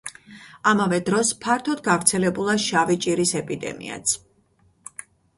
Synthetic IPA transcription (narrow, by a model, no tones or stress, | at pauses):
amavɛd̪ɾɔspʰaɾt̪ʰɔd̪ɡavɾt̪sʰɛlɛbulˠaʃavit͡ʃʼiɾisɛpʼid̪ɛ̰mḭa̰t̪sʰ